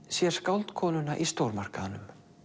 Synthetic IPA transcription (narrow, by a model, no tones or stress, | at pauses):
sjɛɾ̥skawlt̪kʰɔːnʏnaʔist̪owɾmar̥kanʏm